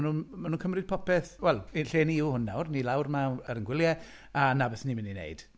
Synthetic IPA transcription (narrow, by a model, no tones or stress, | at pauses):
nuːnmanuːnkʰəmrɨd̚pʰɔpɛθwɛlˠiɬeːniuhʊnːawrnilˠawrmaəɾənɡwɪlˠjɛ | anabɪθnimɪninḛɨd̥